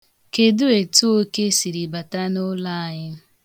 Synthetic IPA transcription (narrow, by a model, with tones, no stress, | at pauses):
ke˨du˦e˨tu˦o˦ke˦si˨ɾi˨ba˨ta˦nʊ˦la˦a˨ɲɪ˦